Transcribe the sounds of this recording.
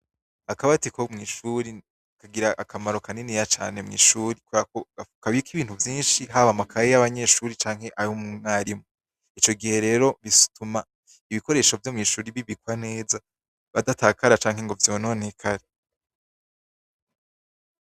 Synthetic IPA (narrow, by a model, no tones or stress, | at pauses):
akaβatikomŋiːʃuɾi | kaɡiɾaʔakʰamaɾo̞kanenijat͡ʃa̰ːne̞mŋḭːʃuːɾikwakoɡaukaβikiβiːn̥uvjiːnʃiɦaβamakʰajejaβaɲeʃuːɾit͡ʃaːŋ̥he̞ʔajomuŋaɾimo | it͡ʃo̞ɡihe̞ɾe̞ːɾo̞βisu̥tuma | iβiko̞ɾe̞ːʃo̞vjomŋiːʃuːɾiβiβikwane̞ːza | βadataːkaɾat͡ʃaːŋɦe̞ŋɡo̞vjo̞ːno̞nekʰaɾe